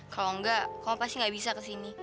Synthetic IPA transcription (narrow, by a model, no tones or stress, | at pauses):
kalɔŋɡaʔkalapast̪iŋɡaʔbisakəsini